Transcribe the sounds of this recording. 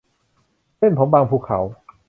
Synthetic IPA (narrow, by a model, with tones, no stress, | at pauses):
se˥˩npʰo˨˦mbaː˧ŋpʰuː˧˩kʰːa̰˩˦w